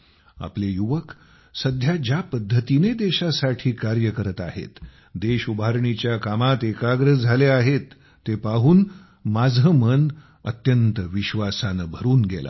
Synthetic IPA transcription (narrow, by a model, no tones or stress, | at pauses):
a̰plejuʋək | səd̪ʱjad͡ʑapəd̪ʱːət̪ined̪eɕasaʈʰiːkaɾjəkəɾət̪a̰ɦḛt̪ | d̪eɕubʱaɾɳit͡ɕjakamat̪ekaɡɾəd͡zʱaleaɦet̪ː | epaɦuːn | mad͡zəmən | ə̰t̪jənt̪əʋiɕʋasanəbʱəɾuːnɡela̰